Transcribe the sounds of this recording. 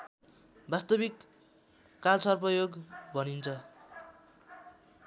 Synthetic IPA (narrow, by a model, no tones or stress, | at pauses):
bast̪ʌbikː | alsʌrpʌjoɡbʱʌnint͡sʰʌ